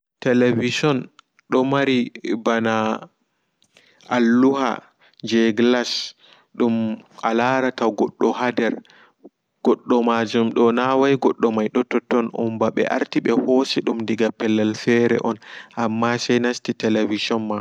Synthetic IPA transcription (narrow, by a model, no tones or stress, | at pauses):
tɛlevisɔn | ɗɔmaɾibana | ʔalːuha̰ | ɲd͡ʒɛɡlas | ɗumʔalaɾataɡɔɗːɔhadɛɾ | ɡ̥ɔɗːɔmad͡ʒumɗɔnawajɡɔɗːɔmajɗɔtɔtɔnṵmbaɓɛ̰ʔa̰ɾtiɓɛhoːsɛɗumndiɡapɛlːɛlfɛɾɛ̰ʔɔnʔamːasɛjnastitɛlevisɔnma